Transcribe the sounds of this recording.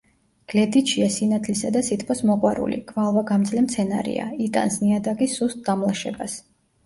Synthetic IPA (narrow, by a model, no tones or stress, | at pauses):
ɡ̥lɛd̪it̪ʃiasinat̪ʰlisad̪asit̪ʰpʰɔsmɔqʼwaɾṵlḭɡ̥ʰʼvalˠvaɡamt̪zʼlɛmt̪sʰɛna̰ɾḭa̰it̪ʼa̰nsniad̪akʼisust̪̚d̪amlˠaʃɛ̰bas